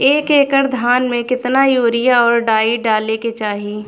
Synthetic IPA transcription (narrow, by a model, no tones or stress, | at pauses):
eːkeːkəɾd̪ʱaːnmẽkɪt̪najoːɾɪjaɔːɾɖaːiɖaːleket͡ʃaːɦiː